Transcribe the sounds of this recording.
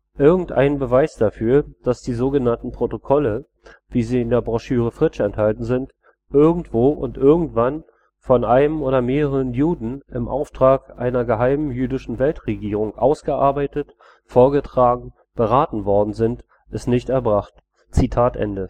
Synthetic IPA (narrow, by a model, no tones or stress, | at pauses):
ʔɪɐɡŋ̩tʔa̰ɪnənbəvaɪsd̥afyːɐd̥asd̥iːzoːɡənantn̩pʁ̥otokʰɔlə | viːziːɪndeːɐbʁaʃyːʁ̞əfʁ̥ɪt͡ʃɛnthaltn̩zɪnt | ʔɪɐɡŋ̩tv̥oːʔʊ̰ntʔɪɐɡŋ̩tv̥an | fɔnʔaɪnəmʔoːɾɐmeːʁəʁənjuːdn̩ʔɪmʔa̰ʊftʁ̥aːkʔa̰ɪnɐɡəɦaɪməmjyːdɪʃn̩vɛltʁeɡiːʁ̞ʊŋʔa̰ʊsɡ̥əʔa̰ɐbaɪtət | foːɐɡətʁ̥aːɡŋ̩ | b̥əʁaːtn̩vɔɐdn̩zɪnt | ʔɪstnɪçtɛɐbʁaχt | t͡sitʰaːtʔɛ̰ndə